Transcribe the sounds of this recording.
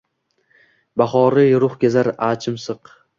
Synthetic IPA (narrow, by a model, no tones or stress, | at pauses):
baχɒɾɪjɾʊχɡʲazaɾaːt͡ʃʰɪmsɨq